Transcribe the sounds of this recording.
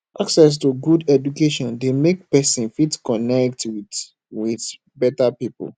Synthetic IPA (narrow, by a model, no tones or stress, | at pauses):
ʔaksɛs̬tuɡudɛd͡ʒukeʃɔ̃ndemek̚pɛsĩnfitkɔnɛk̚twi | wiθ | bɛtapipɔ̰l